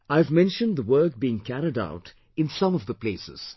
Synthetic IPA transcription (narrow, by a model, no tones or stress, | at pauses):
aɪɨvmɛ̃nʃə̃nd̪ðəwɜ˞k̚biɪ̃ŋkʰæɾɪda̰ʊt | ɨ̃nsʌ̃mɔvd̪əpleːsɪ̰z̥